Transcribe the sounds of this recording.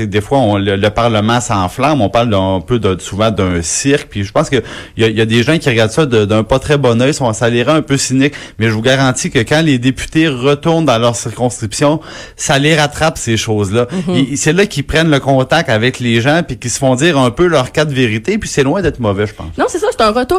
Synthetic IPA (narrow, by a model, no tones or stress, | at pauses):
sɛk̚d̪efwaɔ̃lələpaʁləmɑ̃sɑ̃ːflãmɔ̃paʁlˠːpød̪ə̃suvɑ̃d̪ɛ̃sɪʁklpiʒəpɑ̃ːskəjajad̪eʒãkʲiʁɡaʁd̪sʌd̪əd̪œ̃pɔt̪χɛbɔnœjsɔ̃saleʁãɛ̃pøsinɪkmɛʒəvuɡaʁɑ̃ːtt͡sikəkãled̪epy̥t̪eʁət̪ʊʁnd̪ɑ̃lœʁsiʁkɔ̃skʲχʁipsjɔ̃ | saleʁat̪χapseʃoːzlʌesɛlʌkʲipχɛnləkɔ̃ːt̪ak̚t̪avɛkleʒãpikʲisə̥fɔ̃d͡ziːʁœ̃pølœʁkad̪veʁit̪episɛlwɛ̃d̪ɛːt̪χmɔvɛʒəpɑ̰̃snɔ̃sɛsʌse̥t̪ɛ̃ʁət̪uː